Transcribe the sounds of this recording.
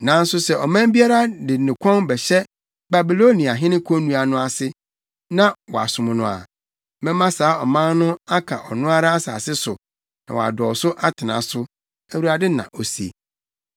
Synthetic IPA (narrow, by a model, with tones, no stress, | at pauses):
nã˨n̩˦sʊ˨sɛ˨ʔɔ˨mã˦mbi˦a˦ɾa˦dɪ˨nɪ̃˨kʷʰɔ̃˦nbɛ˨ɕɛ˦ | ba˨bi˨lo˦nĩ˨a˨ɦɪ̃˦nɪ̃˦kʰõ˦nũ˦a˨nʊ̃˦a˨sɪ˦ | nã˦wɔ˨a̰˨sʊ̃˨mʊ̃˨nʊ̃˨a̰˨ | mɛ̃˦mã˦saː˨˦ɔ˨mã˦n˦nʊ̃˦a˦kʰa˨ʔɔ˨nʊ̃˦a˦ɾa˦a˦sa̰ː˨sɪ˦sʊ˨ | nã̰˨w̰a̰˨dɔ˨sʊ˦ʔa˦tʰɪ˨nã̰˨sʊ˦ | æ˨wu˨ɾa˨dɪ˦nã̰˨ʔo˨si˨ḛ˨